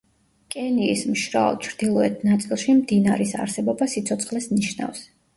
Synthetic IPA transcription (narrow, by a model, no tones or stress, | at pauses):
kʼɛniːsmʃɾa̰ɔ̰t͡ʃʰɾd̪̥ilˠɔɛt̪ʰnat̪sʼilˠʃimd̪inaɾisa̰ɾsɛbɔbasit̪sʰɔt̪sʰχlɛsniʃna̰fs